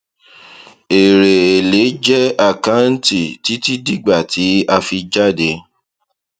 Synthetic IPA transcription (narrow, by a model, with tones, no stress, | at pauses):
e˨ɾe˨e˨le˨˦d͡ʒɛ˦a˦˨ka˦n̩˦ti˦˨ti˨˦ti˦di˦˨ɡ͡ba˦˨tʰi˨˦a˧fi˧d͡ʒa˦˨de˧˦